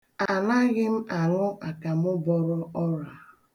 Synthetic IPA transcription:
a˨na˦ɣɪ˦m̩˦a˨ŋʊ˦ʔa˨ka˨m˦ʊ˦bɔ˦ɾɔ˦ɔ˦ɾa˨

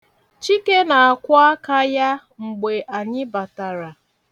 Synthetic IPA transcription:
t͡ʃi˦ke˦na˨a˨kʷɔ˦a˦ka˦ja˦ | ŋ͡m̩˨ɡ͡be˨ʔa˨ɲɪ˦ba˨ta˨ɾa˨

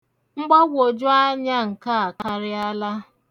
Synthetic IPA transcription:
ŋ͡m̩˦ɡ͡bɔ˦ɡʷo˨d͡ʒʊ˦a˦ɲa˦ŋ̩˨ka˦a˨ka˦ɾɪ˦a˦la˦

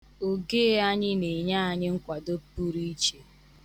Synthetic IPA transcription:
o˨ɡe˦a˦ɲɪ˦ne˨ɲa˦˨ɲɪ˦ŋ̩˦kʷa˨do˦pu˦ɾi˦t͡ʃe˨

